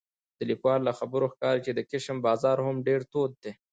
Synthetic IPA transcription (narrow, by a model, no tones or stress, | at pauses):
d̪̥əlikwɑlːaxabəɾoxkɑɾit͡ʃed̪əkɪʃəmbɑːzɑɾhʊmɖeɾt̪ot̪̚d̪e